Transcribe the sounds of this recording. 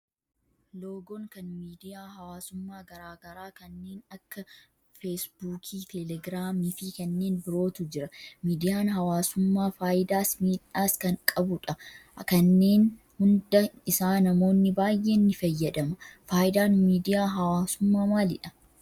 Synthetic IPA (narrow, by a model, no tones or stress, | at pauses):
lo̞ːɡɔŋkɐnmiːd̪ɪjaːɦɐwaːsʊmːaːɡɐɾaːɡɐɾaːkɐnːe̞ːnɐkːɐ | feːsbuːkʰiːt̪ʰɛlɛɡɾaːmiːfiːkɐnːeːnbɪɾo̞ːt̪ʊd͡ʒɪɾɐmiːd̪ɪjaːnɦɐwaːsʊmːaːfaːʔɪd̪aːsmiːᶑaːskɐŋkʼɐbʊᶑɐkɐnːe̞ːn | hʊnd̪ɐɪsaːnɐmo̞ːnːɪbaːjʔe̞ːnːɪfɐjːɛᶑ̪ɐmɐfaːʔɪd̪aːnmiːd̪ɪjaːɦɐwaːsʊmːaːmaːlɪ̰ᶑɐ